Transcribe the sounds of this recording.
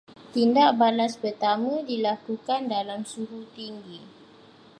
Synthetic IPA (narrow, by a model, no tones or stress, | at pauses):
t̪indaʔbalaspərt̪amə̃dilakukandalamsuɦut̪iŋɡi